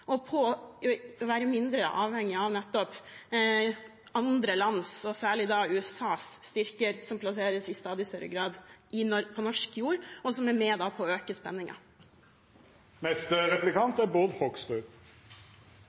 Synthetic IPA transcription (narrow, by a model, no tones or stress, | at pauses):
ɔpʰɔ | ɔʋæːɾəmɪnd̪ɾəʔɑːʋhɛŋːɪɑʋnɛt̪ːɔp | ʔɑnd̪ɾəlɑnsɔsæːɭɪd̪ɑʉːɛsɑːsːt̪ʏɾkəɾsɔmpʰlɑseːɾəsɪst̪ɑːd̪ɪst̪œɾə̰ɡɾɑːd̪ʔɪɔpʰɔnɔʂkjuːɾɔsɔmæmeːd̪ɑːpʰɔøːkəspɛnːɪŋɑ̰ | mɛst̪əʁɛplɪkʰɑnt̪æbʊʁd̪hɔɡst̪ʉːɡ